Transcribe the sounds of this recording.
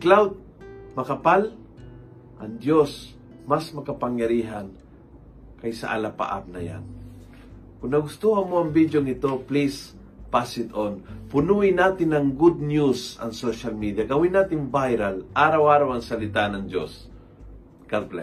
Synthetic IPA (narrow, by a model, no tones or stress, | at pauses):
klawd̪̚ | mɐkɐpal | ʔɐŋd̪jos | masmɐkɐpɐŋjɐɾiːɦan | kɐjsɐ̰ʔa̰lapa̰ʔa̰p̚nɐja̰n | kʊŋnɐɡʊst̪uhamoɐŋbid̪joŋɪt̪o̞plis | pasɪt̪onpʊnuɪnaːt̪ɪnɐŋɡud̪̚njusɐ̰ŋsoʃalmid̪ijaɡɐwɪnːaːt̪ɪŋbajɾalʔaːɾɐwaːɾawɐŋsɐlɪt̪anɐŋd̪o̰s | kalplɛ̰